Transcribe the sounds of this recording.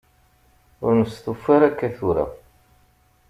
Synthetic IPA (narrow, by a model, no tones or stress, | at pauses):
ʊ̰ɾnəsθufaɾækːæθuɾa̰